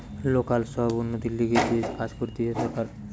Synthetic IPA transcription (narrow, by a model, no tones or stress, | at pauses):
lokalʃɔɦbunːot̪iliɡet̪ekad͡ʑkoɾt̪ieʃɔɾkaɾ